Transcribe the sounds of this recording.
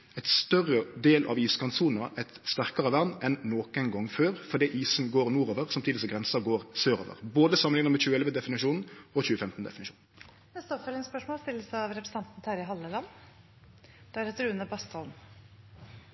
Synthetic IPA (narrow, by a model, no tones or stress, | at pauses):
ɛɪt̪st̪œʁəd̪eːlʔɑ̰ʋiːskʰɑnsuːnəʔɛɪt̪st̪æʁkɑʁəʋæʁnɛnːoːkɛɪnɡɔŋːføːʁfɔd̪ɛʔiːsnɡoːʁnuːɾoːʋəʁsɑmt̪iːd̪ɪsɔɡʁɛnsəɡoːʁsøːɾo̰ːʋə̰ʁboːd̪əsɑməlɪŋəʁmɛçʉːəɛlʋəd̪ɛfɪnɪʂuːnn̩ɔçʉːəfɛmt̪n̩d̪ɛ̰fɪnɪʃṵːn̩ | nɛst̪ɔfɛlɪnspœʂmoːlst̪ɪlːəsəɑʋɾɛpɾəsɑnt̪n̩t̪ʰæɾɪɦɑlːəlɑnː | d̪̥ɛæɾɛt̪ɾʉːənəbɑst̪ɑln̩